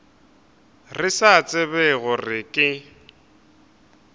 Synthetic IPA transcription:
rɪsat͡sʼɪβɛɣʊrɪkʼɪ

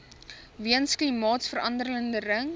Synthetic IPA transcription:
viənsklimɑːtsfərɐndərləndəɾəŋ

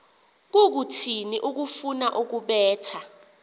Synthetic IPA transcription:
k̬uk̬utʰiniʔuk̬ufunaʔuk̬uɓɛːtʰa

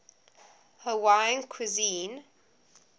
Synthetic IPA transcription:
həwaj̃ŋkʰwizĩːn

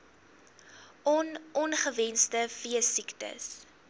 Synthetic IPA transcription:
ɔnɔnχəvɛnstəfiəsiktə̰s

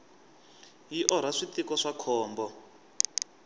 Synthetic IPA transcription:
jiʔɔɾ̤aʂit̪ikɔʂakʰɔːmbɔ

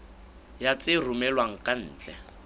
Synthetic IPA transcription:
jat͡sɪrumɛlwaŋ̩kʼan̩ːt͡ɬʼɛ

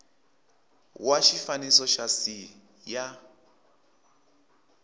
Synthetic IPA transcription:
waʃifanisɔʃasi | ja

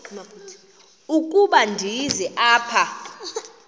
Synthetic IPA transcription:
ukʼuɓandʱizɛʔaːpʰa

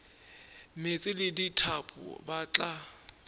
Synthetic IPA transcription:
met͡sʼɪlɪditʰapʼʊ̰bat͡ɬʼa

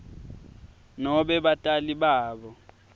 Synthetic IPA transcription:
nɔbɛbatʼalibaːbɔ

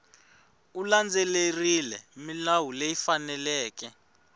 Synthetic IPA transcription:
uland͡zʱɛlerilɛmilawulejifanɛlɛːk̬ɛ

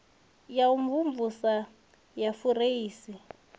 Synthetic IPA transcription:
jauɱvumvusa | jafureiːsi

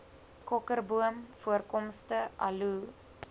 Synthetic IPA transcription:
kɔkərbuəmfuərkɔmstəɐlu

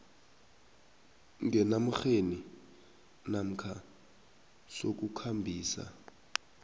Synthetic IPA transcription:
ŋɛnamuxeni | nam̩kʰa | sok̬ukʰambʱiːsa̰

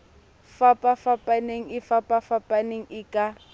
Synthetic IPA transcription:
fapʼafapʼaneŋ̩ɪfapʼafapʼaneŋ̩ɪkʼa

